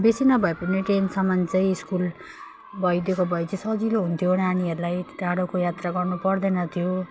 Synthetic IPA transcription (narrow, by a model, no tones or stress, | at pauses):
besinʌbʱʌepʌneʈensʌmʌnt͡sʌĩiskul | bʱʌjd̪jekobʱʌjt͡sisʌd͡ziloɦunt̪ʰijonaniɦʌɾulajʈaɽokojat̪raɡʌrnupʌrd̪ʌnʌt̪ʰjo